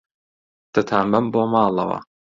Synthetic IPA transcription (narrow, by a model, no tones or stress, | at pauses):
d̪̥ɨt̪ʰaːmɐmboːmaːlˠɐ̰wɐ̰